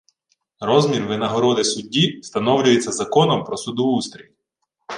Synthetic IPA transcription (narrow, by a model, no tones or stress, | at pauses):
ɾɔzmʲirʋɪnɐɦɔɾɔd̪ɪsʊdʲːist̪ɐnɔwlʲʊjet͡sʲːɐzɐkɔnɔmpɾɔsʊd̪ɔʋust̪ɾʲilʲ